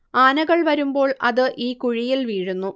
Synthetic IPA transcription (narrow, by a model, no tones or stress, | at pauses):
aːnɐɣɐɭʋɐɾumbo̞ːɭɐ̰ðɨʔiːkuɻijilʋiːɻunːu